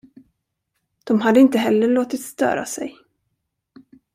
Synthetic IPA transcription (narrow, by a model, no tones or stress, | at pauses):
d̪̥ɔmɦad̪ːəɪnt̪əɦɛlːəɭoːt̪ɪt̪st̪œ̰ːɾa̰sɛ̰j